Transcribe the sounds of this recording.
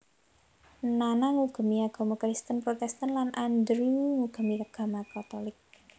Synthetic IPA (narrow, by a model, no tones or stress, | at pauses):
nanaŋuɡ̥ə̤miaɡ̥a̤makɾist̪ənpɾot̪ɛst̪ənlanʔand̪ɾuŋuɡ̥ə̤miaɡ̥a̤makat̪olɪk̚